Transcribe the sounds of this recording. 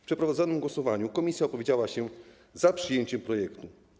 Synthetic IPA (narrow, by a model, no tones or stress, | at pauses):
fpʂɛpɾɔvad̪zɔnɘmɡwɔsɔvaɲukɔmʲisʲjaɔpɔvʲjed͡ʑawaɕɛ | zapʂɘjeɲt͡ɕɛmpɾɔjɛkt̪u